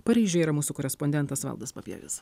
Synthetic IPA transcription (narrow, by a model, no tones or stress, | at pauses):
pɐɾʲiːʒʲʊiɾɐmuːsukɔːɾʲɛspɔnʲd̪ʲɛnt̪ɐsʋɐ̰lˠd̪ɐspɐpʲḭɛ̰ʋʲɪ̰s